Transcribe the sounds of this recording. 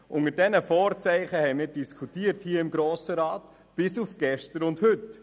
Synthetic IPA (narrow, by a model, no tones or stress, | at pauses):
ʔʊŋəɾdɛnəfɔːɾt͡sɛɪχəhɛɪmɪːɾd̥iskʰutiːəɾthiːəɪmɡɾoːsəɾɑːt | b̥ɪsufɡ̥ɛʃtəɾʊndhɵt